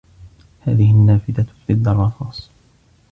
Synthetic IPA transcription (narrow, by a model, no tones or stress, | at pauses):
ha̰ːðɪhɪnːaːfɪd̪at̪ʊθɪd̪ːɑrˤːɑfɑːsˤ